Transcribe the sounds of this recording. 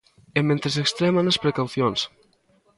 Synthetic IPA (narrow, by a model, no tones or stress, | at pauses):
emːẽnt̪ɾesekst̪ɾɛmanespɾekawθjons